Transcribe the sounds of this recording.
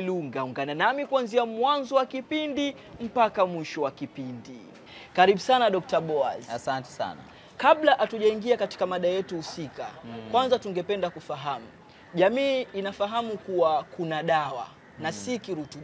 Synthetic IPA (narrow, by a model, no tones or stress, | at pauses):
luŋɡauŋɡananamikuanziamwanzɔwakipindi | m̩pakamwiʃɔwakipindi | kaɾiɓusanaɗɔk̚taɓɔa̰zasantɛ̥sa̰na̰ | kaɓlaʔatuʄaiŋɡiakati̥kamaɗajɛtuhusika̰kwanzatuŋɡɛpɛndakufaɦamu | ʄamiːinafaɦamukuwakunaɗawa̰ | nasikiɾutu